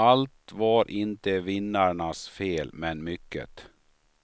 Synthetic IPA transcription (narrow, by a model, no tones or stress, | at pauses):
alt̪vaɾʔɪnt̪əvɪnːaɳasfeːlmɛnmʏkːə̰t̪